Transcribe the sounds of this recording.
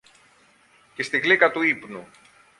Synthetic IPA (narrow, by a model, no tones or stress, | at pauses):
cest̪iɣlikɐt̪uipnu